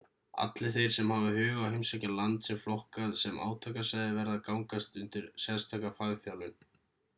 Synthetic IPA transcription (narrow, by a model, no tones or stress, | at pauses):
a̰t̪lɪθejɾ̥sɛmhavɪhʏːɣawhejmsɛcalant̪sɛmflɔhkaðsɛma̰ːwt̪ʰakasajðɪvɛɾaðkawŋkast̪ʏnt̪ɪɾ̥sɛnst̪ʰakafaːɣθjawlʏn